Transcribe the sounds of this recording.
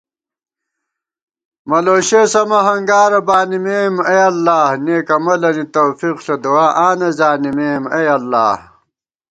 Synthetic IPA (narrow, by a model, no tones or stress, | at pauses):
mɐloːɕeːsɐmɐɦɐŋɡaːɾɐbaːnimeːmejɐlːaːhneːkɐmɐlɐnit̪oːfiqɬod̪uwaːʔaːnezaːnimeːmejɐlːa̰ːh